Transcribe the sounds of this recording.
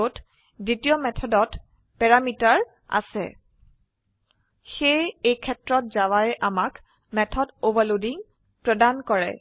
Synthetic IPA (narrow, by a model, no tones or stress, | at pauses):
ot | ditijɔmɛtʰɔdɔt | pɛɹamitaɹ | a̰sɛ̰ | xejejkʰɛtɹɔt̚zawaɹɛʔamak | mɛtʰɔdobalodiŋ | pɹɔdankɔɹɛ̰